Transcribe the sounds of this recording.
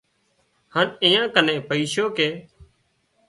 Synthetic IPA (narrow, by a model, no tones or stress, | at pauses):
həniːãːkənẽːpəiːʃoːkeː